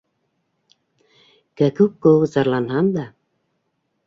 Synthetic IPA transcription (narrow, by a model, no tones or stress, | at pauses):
kækukːowzɑɾlˠɑnɦɑnd̪ɑ